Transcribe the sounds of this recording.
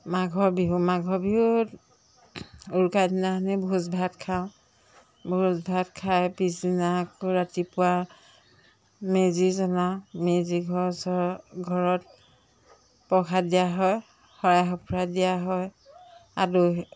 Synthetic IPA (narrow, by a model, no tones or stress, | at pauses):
maɡʱɔbiɦumaɡʱɔbiɦut | uɹkajdinanɛbʱuzbʱatkʰaʊ̃ | bʱuzbʱatkʰajpizinakoɹatipʊwa | mezizɔnãmeziɡʱɔsɔɡʱɔɹɔt̚ | pɔkʰadijaɦɔj | xɔɹajɦɔpʰɹadijaɦɔj | a̰du